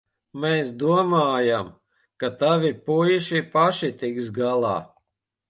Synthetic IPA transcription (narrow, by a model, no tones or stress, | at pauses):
meːsd̪uɔmaːjam | kat̪avipujiʃipaʃit̪iksɡalˠɑ̰ː